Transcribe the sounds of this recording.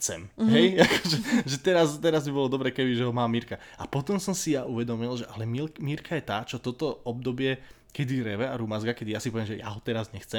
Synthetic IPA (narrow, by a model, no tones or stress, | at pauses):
t͡sɛmɦɛjakɔʒɛʒɛt̪ɛɾazt̪ɛɾazbibɔlɔd̪ɔbɾɛːkɛbiʒɛɦɔmaːmiɾka | ʔapɔt̪ɔmsɔmsijaʔuʋɛd̪ɔmilʒɛʔalɛmilmiɾkʰajɛt̪aːt͡ʃɔt̪ɔt̪ɔɔb̚d̪ɔbɪɛ | kɛd̪iɾɛʋɛaɾumazɡakɛd̪ijasipɔʋjɛmʒɛja̰ɦɔt̪ɛɾazɲɛxt͡sɛm